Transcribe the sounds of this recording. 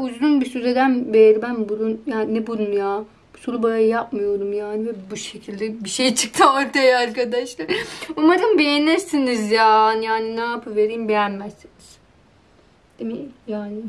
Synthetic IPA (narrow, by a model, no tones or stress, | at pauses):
uzɾunbisyzed̪ænbejeɾibænbuɾunjaːnnɛbuɾunjaː | bu̥suɾubajajjap̚mɯjo̞ɾumjaːnivɛbuʃe̞cʰilʲd̪ɛbiʃe̞jt͡ʃʰɯ̥k̚t̪ʰamoɾt̪ʰajaaɾkad̪aʃlˠaɾumaɾɯnbejenæɾsinizjaːnjaːninaapʰɯve̞ɾimbejænmæzːiniz̥ | d̪̥emijaːni